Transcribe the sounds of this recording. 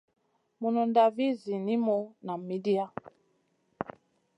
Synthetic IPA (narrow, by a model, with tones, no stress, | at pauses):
mu˨nɔ˨nda˨vi˦zi˨ni˦mɔ˦na˨mi˨˦di˦a˦